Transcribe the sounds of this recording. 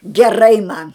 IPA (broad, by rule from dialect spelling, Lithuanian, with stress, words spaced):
ɡʲɛˈrɐɪ mɐn